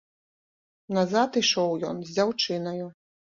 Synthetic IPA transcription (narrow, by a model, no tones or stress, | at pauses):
nazat̪iʂɔwjɔnzʲd͡zʲawt͡ʂɨnɐju